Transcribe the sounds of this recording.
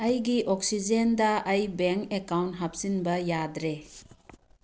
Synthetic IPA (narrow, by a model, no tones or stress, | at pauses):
ɐjɡiʔɔk̚sid͡ʒendɐːjbeŋkekawntɦap̚sinbɐjadɾe